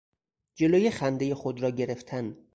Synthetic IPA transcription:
d͡ʒe̞loːjexænd̪e̞jexod̪ɾɒːɟe̞ɾe̞ft̪ʰæn

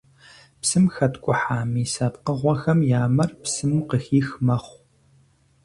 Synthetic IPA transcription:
psɨmxɐtkʷʼʊħaːmiːsɐpqəʁʷɔxɐmjaːmɐrpsɨmuːqəxiːxmɐχʷ

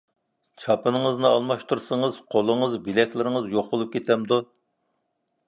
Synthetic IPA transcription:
t͡ʃʰɑpɨnɨŋəznɨɑlˠmɑʃt̪uɾsəŋəz̥qʰolˠəŋəzbilɛkʲlɪɾɪŋɨzjoχbolˠup̚kʲʰet̪ʰɛmd̪u

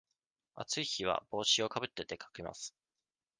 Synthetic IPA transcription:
a̰t͡sɨiçiβ̞a̰b̥o̞ːɕio̞kabɯ̟t̪ːe̞t̪e̞kʰḁkɯma̰sɨ̥

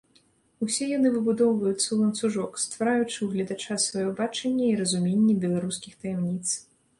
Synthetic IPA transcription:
usʲɛjanɨvɨbud̪ɔwvɐjut̪sːɐwlˠɐnt̪suʐɔkst̪vaɾajut͡ʂɨwɣlʲɐd̪at͡ʂasvajɔbat͡ʂɐnʲːɐiɾɐzumʲenʲːɛbʲɛlˠaɾuskʲixt̪ɐjɛmnʲit̪s

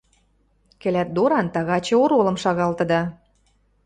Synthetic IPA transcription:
kɘ̆læt̪̚d̪oɾɑnt̪ɑɣɑt͡ɕĕoɾolɤ̆mʃɑɣɑlt̪ɤ̆d̪ɑ

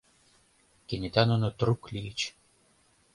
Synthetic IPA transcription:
kʲenʲit̪ʲanonot̪ɾuklʲit͡ɕ

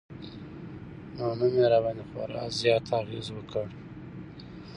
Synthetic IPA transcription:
nonəmeɾabanexwa̰ɾɑ̰zjɑt̪ʰaɣḛzwəkʰəɽ

